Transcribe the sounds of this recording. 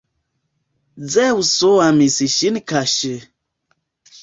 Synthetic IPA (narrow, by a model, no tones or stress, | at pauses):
d͡zɛusoamisiʃinikaʃe